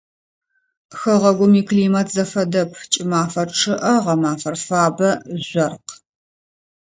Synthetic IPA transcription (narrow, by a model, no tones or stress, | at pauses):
xɐʁɐɡʷʊmikliːmɐtʰzɐfɐdɐpʰt͡ʃʼɪmaːfɐrʈ͡ʂʰɨʔɐʁɐmaːfɐrfaːbɐzʷɐrq